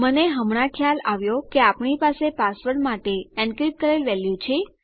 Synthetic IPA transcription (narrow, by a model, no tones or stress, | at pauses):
məneɦəmɳ̃ãkʰjalaʋjokeapɳipasepasʋəɾɖmaʈeɛ̃ɳɖkɾip̚kəɾelʋɛljũt͡ʃʰe